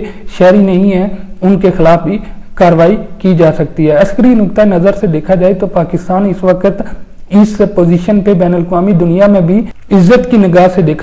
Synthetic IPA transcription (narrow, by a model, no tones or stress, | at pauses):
ʃɛːɾinɐɦĩɦɛːʊnkexɪlaːfbʱikaːɾʋaːikid͡ʒaːsɐk̚t̪iɦɛːɐskəɾinʊk̚t̪aenɐzəɾsed̪eːkʰad͡ʒaːet̪opaːkɪst̪aːnɪsʋəkət̪ | ɪspoːziːʃənpebɛːnələkʋaːmid̪ʊnijamẽbʱiɪzːət̪kinɪɡaːsed̪eːkʰ